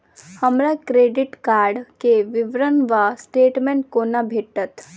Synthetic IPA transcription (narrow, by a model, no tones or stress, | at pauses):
həmɾakɾeːɖɪʈkaːɾɖkeʋɪʋɾənʋasʈeːʈmeɳʈ̚konabʱeːʈət̪ʰ